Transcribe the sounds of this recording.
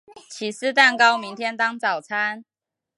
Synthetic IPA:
t͡ɕʰi˨˥s̩˥˧t̪a˥˨nkɑ˦ʊmi˨˦ŋt̪ʰjɛ˥nt̪ɑ˥ŋt͡sɑ˨˩ʊt͡sʰa˦˥n

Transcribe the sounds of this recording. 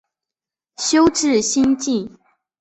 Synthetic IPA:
ɕjo˥ʊʈ͡ʂɻ̩˥˨ɕi˥nt͡ɕi˥˨n

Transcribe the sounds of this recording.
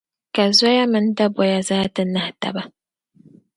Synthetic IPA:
ka˨zɔ˦ja˦mɨ˨n˦da˦bwɔ˨ja˨za˦tɨ˦na˦hta̰˨ba˦

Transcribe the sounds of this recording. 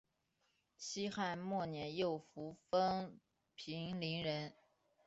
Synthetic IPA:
t͡ɕʰi˥xa˥˧nmwɔ˥˩njɛ˧˥njo˥˩ʊfu˧˥fə˥ŋ | pʰi˧˥ŋli˧˥ŋɻə˧˥n

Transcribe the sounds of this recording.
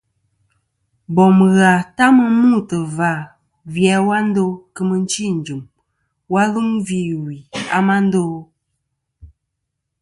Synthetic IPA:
bɔ˨m˨ɣa˨ta˦mə˦mu˦˨tə˨va˨ | vjɛ˨˦wa˦n̩˦do˦kɨ˦mə˦n̩˦t͡ʃi˦˨n̩˨d͡ʒu˨m | wa˦lu˦ŋvi˦˨wi˨a̰˦ma˦n̩˦do˦

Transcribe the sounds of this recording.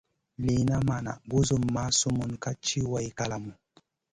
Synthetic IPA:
li˨na˦ma˨na̰˨ɡu˦zu˦mːa˦su˦mu˨nka˦t͡ʃi˦wa˦jka˦la˨mu˨

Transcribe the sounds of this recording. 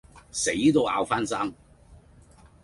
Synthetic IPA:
se˨˥jt̪o˨˧wa̰ː˨˧wfaː˥nsaː˥ŋ

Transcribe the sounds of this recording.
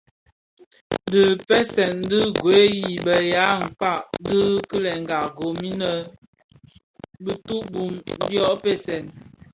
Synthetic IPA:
də˨pɛ˦sɛ˨n˦dɨ˦ɡwe˦ji˨bə˨ja˨˦ŋ̩˨k͡pa˦˨ʔdə˦kə˦lɛ˨ŋ˨ɡa˨ɡo˨mi˦nə˨ | bi˦tu˦bu˨mbjɔ˦pɛ˦sɛ˨n

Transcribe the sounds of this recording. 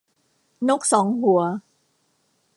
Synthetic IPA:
no˦˥k̚sɔː˩˦ŋɦu˩˦ɐ

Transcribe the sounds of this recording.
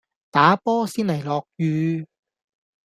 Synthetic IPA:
t̪aː˨˥pɔː˥siː˥nlɐ˨˩jlɔː˨k̚jyː˧

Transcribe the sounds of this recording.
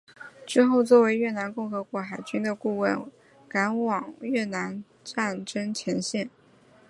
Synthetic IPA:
ʈ͡ʂɻ̩˥˧xo˥˧ʊt͡swɔ˥˩we˧˥ɪɥɛ˥˩na˧˥nkʊ˥˩ŋxɤ˧˥kwɔ˧˥xa˨˩ɪt͡ɕy˥nd̪ə˨ku˥˧wə˥˩n | ka˧˥nwɑ˨˩ŋɥɛ˥˩na˧˥n | ʈ͡ʂa˥˩nʈ͡ʂə˥ŋt͡ɕʰjɛ˧˥nɕjɛ˥˩n

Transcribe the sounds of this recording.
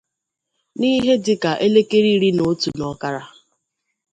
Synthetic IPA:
ni˦ɦe˦dɪ˦ka˨ʔe˦le˦ke˦ɾi˦ɾi˦no˦tu˨nɔ˨˦ka˦ɾa˦

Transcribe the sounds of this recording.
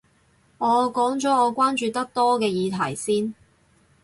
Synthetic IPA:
ŋɔː˨˧kɔː˨˥ŋt͡sɔː˨˥ɔː˨˧kʷaː˥nt͡ʃyː˨˧t̪ɐ˥k̚t̪ɔː˥kɛː˧jiː˨˧t̪ʰɐ˨˩jsiː˥n

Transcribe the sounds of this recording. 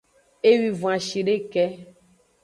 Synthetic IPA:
e˦wi˨võ˨ã˨ʃi˨ɖe˦kɛ˦

